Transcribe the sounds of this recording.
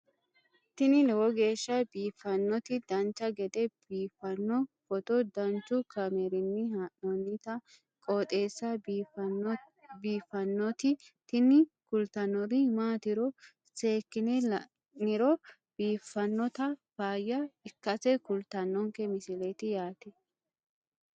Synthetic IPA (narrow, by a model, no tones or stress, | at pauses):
t̪ɪnɪlɛwɔɡe̞ːʃːɐbiːfːɐnːɔt̪ɪd̪ɐnt͡ʃːɐɡɛd̪ɛb̥iːfːɐnːɔfɔt̪ɔd̪ɐnt͡ʃːʊkɐmɛɾɪnːɪaʔɔnːɪt̪ɐ | kʼɔːt̪ʼe̞ːsːɐ | biːfːɐnːɔt̪ɪt̪ɪnɪkʊlt̪ɐnːɔɾɪmaːt̪ɪɾɔ | se̞ːkːɪnɪlɐ | nɪɾɔ | b̥iːfːɐnːɔt̪ɐfaːjːɐɪkːɐsɛkʊlt̪ɐnːɔŋkɛmɪsɪlet̪ɪjaːt̪ɛ